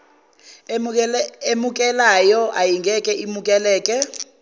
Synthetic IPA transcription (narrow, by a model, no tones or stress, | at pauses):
emukʼɛlajɔʔajiŋɡʱɛkʼɛʔimukʼɛlɛːkʼɛ